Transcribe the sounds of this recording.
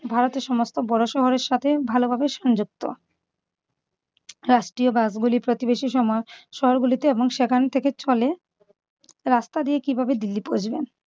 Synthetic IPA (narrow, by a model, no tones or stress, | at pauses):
bʱaɾot̪eɾʃɔmost̪obɔɾoʃɔɦoɾeɾʃat̪ʰebʱalobʱabeʃɔnd͡ʑuk̚t̪o̰ | ɾaʃʈɾiobasɡulipɾot̪ibeʃiʃɔmʃɔɦoɾɡulit̪eeboŋʃekʰant̪ʰeket͡ɕɔle | ɾast̪ad̪iekibʱabed̪ilːipod͡ʑben